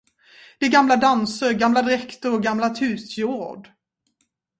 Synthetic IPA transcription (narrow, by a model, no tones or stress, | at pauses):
d̪̥ɛːɡamlad̪ansəɾɡamlad̪ɾɛkt̪əɾɔɡamlat̪ʰʉ̟ːsjoːɖ